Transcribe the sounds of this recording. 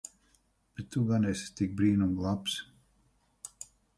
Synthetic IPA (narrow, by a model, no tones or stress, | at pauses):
b̥et̪ːuɡanɛsst̪ik̚bɾiːnumɡlˠaps